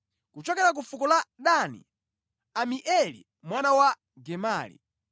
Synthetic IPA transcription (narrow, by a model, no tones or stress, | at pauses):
kut͡ʃɔkɛɾak̬ufukɔlaɗanḭ | amiʔɛlḭ | mwanawa | ɡɛmaːlḭ